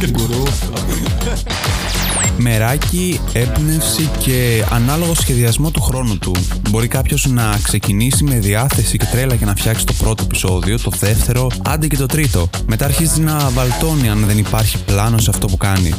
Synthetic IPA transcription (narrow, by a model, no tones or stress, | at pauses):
me̞ɾɐci | e̞pnefsice̞ɐ̰nɐlo̞ɣo̞sçe̞ðiɐzmo̞t̪uxɾo̞nut̪u | bo̞ɾikɐpço̞znɐkse̞cinisime̞ðiɐθe̞sice̞t̪ɾe̞lɐce̞nɐfçɐksi̥t̪o̞pɾo̞t̪o̞e̞pi̥so̞ðio̞t̪o̞ðe̞ft̪e̞ɾo̞ɐnd̪ice̞t̪o̞t̪ɾit̪o̞ | me̞t̪ɐːɾçizinɐvɐlt̪o̞niɐnðe̞nipɐɾçiplɐno̞seɐft̪o̞pukɐnḭ